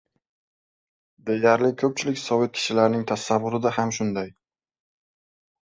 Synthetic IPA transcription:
d̪ejaɾlɪkʰɵp̚t͡ʃʰɪlɪkʲsɒvɪt̪̚kʲʰɪ̥ʃɪlaɾnɪŋt̪ʰasavːʊɾɪd̪ahamʃʊnd̪aj

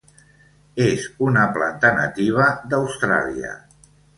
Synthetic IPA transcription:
ezunəplant̪əna̰t̪iβ̞əðəwst̪ɾa̰liə̰

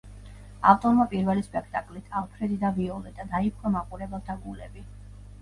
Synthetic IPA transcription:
aft̪ʼɔɾmapʼiɾvɛlispʼɛkʰt̪ʼakʼlit̪ʰalˠpʰɾɛd̪id̪aviɔlɛd̪̥ad̪aip̚ʰqʼɔmaqʼuɾɛbɛlˠt̪ʰaɡulɛbi

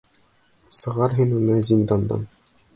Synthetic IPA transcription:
sɤ̆ʁɑɾɦinunɘzʲind̪ɑnd̪ɑ̰n

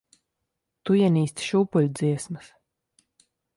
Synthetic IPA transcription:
t̪ujɛniːsʲt̪ʃuːpulʲd̪ziɛsmɨs

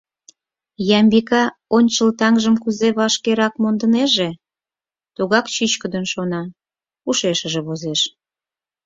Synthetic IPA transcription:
jɑmbikɑonʲt͡ɕəlt̪ɑŋʒəmkuzeβɑʃkeɾɑkmond̪əneʒe | t̪uɣɑkt͡ɕyt͡ɕkəd̪ənʃonɑ | uʃeʃəʒeβozeʃ

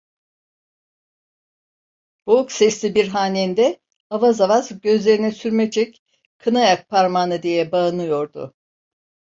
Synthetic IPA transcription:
b̥ouksɛslʲibiɾɦaːnend̪ɛ | havazavazɟø̞zlʲe̞ɾinɛsyɾmɛd͡ʒɛc | kʰɯnajak̚pʰaɾmanɯd̪ijɛbaɯnɯjo̞ɾd̪ʊ̰

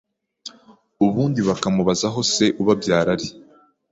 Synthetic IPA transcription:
uβuːndiβakamuβazaɦo̞se̞ʔuβabjaːɾaɾi

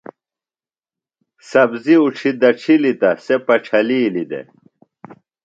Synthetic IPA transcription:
sɐbziuʈ͡ʂʰid̪ɐʈ͡ʂʰilit̪ɐsepɐʈ͡ʂʰɐliːlid̪ḛ

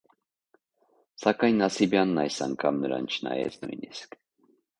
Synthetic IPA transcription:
sakajnːasibjanːajsaŋkʰamnəɾa̰nt͡ʃʰna̰jɛ̰znujnisk

